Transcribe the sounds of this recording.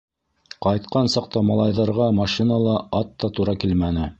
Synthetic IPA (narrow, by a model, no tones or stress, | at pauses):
qɑjt̪̚qɑnsɑq̚t̪ɑmɑlˠɑjðɑɾʁɑmɑʃinɑlˠɑɑt̪ːɑt̪uɾɑkilmænɘ